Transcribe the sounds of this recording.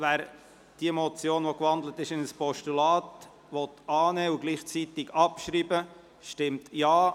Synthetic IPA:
væːɾ | d̥iəmɔt͡sjoːnʋɔkʋɑnd̪lətɪʃɪnəspɔʃtulɑːt | ʋɔt̪ɑːnɛːuɡliːχt͡sit̪ɪɡɑpʃɾibə | ʃtɪmtjɑː

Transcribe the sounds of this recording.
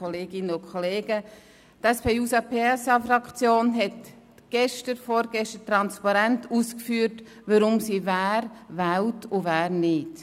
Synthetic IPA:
ɔleːɡɪnəʊkʰɔleːɡ̥ə | tɛspʰeːuːsɑpʰeːɛsɑfɾɑkt͡sjoːnɦɛt | ɡ̥ɛʃtəɾfɔːɾɡɛʃtətɾɑnspɑɾɛntʰuːskfyːɾt | ʋəɾʊmsivæːɾvæwtʰʊvæːɾnɪt

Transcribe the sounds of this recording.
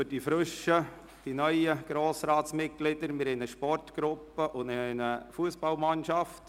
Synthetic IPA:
ʏdifɾʏʃə | d̥inœʏəɡ̥ɾoːsɾɑːtsmɪt̚ɡ̥lɪdəɾmɪɾɛnəʃpɔrtɡ̥ɾʊpːəʔʊndɪnəfuəsb̥ɑlmɑnʃɑft

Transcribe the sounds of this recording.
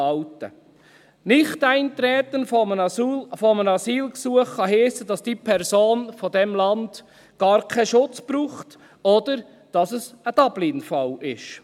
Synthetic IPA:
ɑwtə̰ | nɪχtæɪnt̪ɾɛːt̪ənfənfɔmənɑsiːlksuəχχɑɦiːsədɑsd̥iːpʰɛɾsoːnfɔdɛmlɑnd̥ | ɡ̥ɑːɾkʰɛʃʊt͡sb̥ɾuːχt | ɔd̥əɾ | d̥ɑsəsəd̥ɑb̥linfɑlɪʃ

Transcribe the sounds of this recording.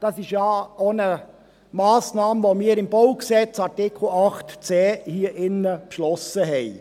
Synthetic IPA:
d̥ɑsɪʃjɑːonə | mɑːsnɑːmʋomiːəɾɪmb̥oʊksɛt͡sɑɾtɪkʰl̩ɑχtt͡sɛːhiəʔɪnːəpʃlɔsəɦɛɪ

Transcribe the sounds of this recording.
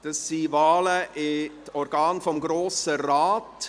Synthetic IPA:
d̥ɑsːiːvaːləʔɪtɔɾɡ̥ɑːnfɔmɡɾoːsəɾaːt

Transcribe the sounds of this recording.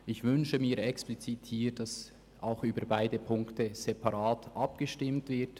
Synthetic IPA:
ʔɪçvʏnʃəmiːɛksplit͡siːthiːd̥ɑs | ʔaʊxyːbəɾbaɪdəpʰʊŋktəz̥ɛpɑʁɑːtʔɑpɡ̥əʃtɪmtv̥ɪɐt

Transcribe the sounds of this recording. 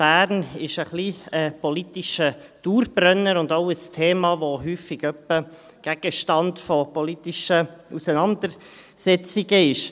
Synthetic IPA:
b̥æːɾnɪʃəχliːəpɔlit̪iʃəd̥uːɾb̥rœnːəɾʊndoʊəstʰeːmɑːʋoɦyːfɪɡ̥œpːə | ɡ̥æɡ̥əʃtɑndfɔpɔlitiʃəusənɑnd̪əɾ | sɛt͡sɪɡəɪʃ

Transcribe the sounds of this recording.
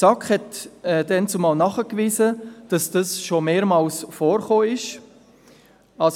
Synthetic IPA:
sɑkχhɛtɛdɛnt͡sʊmɑlnɑχəkʋiːzəd̥ɑsd̥ɑsʃomeːɾmɑːlsfoːɾχoːɪʃ | ɑs

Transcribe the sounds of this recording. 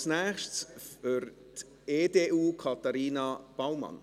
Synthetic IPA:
snɛːχʃsfʏɾ | t | eːdeːʔuːkʰɑt̪aɾiːnab̥awmɑ̰n

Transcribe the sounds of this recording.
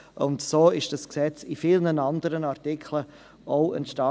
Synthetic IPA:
ʔʊntsoːɪʃd̥ɑsksɛt͡sifɪlnənɑndəɾənɑɾtɪkʰlə | ʔoʊə̰nʃtɑ

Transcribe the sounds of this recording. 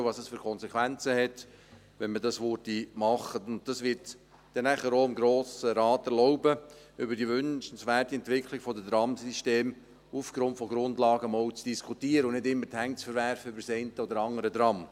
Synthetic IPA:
vɑsəsfyːɾkʰɔnsɛkʰʋænt͡səhɛt | ʋɛnmədɑsʋoɾtimɑχətʊnt̚dɑsʋɪːɾt | d̥ɛnæχəɾoːɪmɡɾoːsəɾɑːtɛɾlɔʊbə | ʏbəɾdiʋʏnʃnsʋæːrtiɛntʋɪkʰlɪɡ̥fɔdəd̪ɾɑmsiʃteːm | ufɡ̥ɾʊntfɔɡɾʊndlɑːɡəmɔwt͡sd̥iskʰutiːəɾəʊnnɪdɪmːəɾthæŋt͡sfəɾʋæɾfəʏbəɾsɛɪntəodəɾɑŋːəɾəd̪ɾɑm

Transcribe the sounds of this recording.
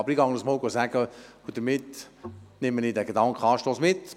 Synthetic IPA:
ɑbəɾiɡɑŋənəsmɔːɡosæɡə | ud̥̪əɾmɪt̪ | nɪməniːdɛɡedɑŋkχəɑːʃtoːsmɪtː

